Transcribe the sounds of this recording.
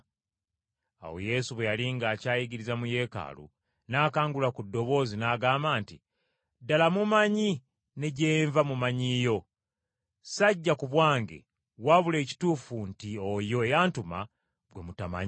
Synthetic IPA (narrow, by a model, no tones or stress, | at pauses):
a̰wo̞̰je̞ːsuβwejaliŋɡaːcaːjiɡiɾizamuje̞ːka̰ːlṵ | naːkaːŋɡulakudːo̞βo̞ːzinaːɡaːmbaːntḭ | dalamumaɲi | ne̞ɟeːɱvamumaɲijo̞ | saɟːakuβwaːŋɡe̞̰ | waβule̞ːci̥tuːfuntiojo̞ejaːntuma̰ | βwe̞mutama̰ɲi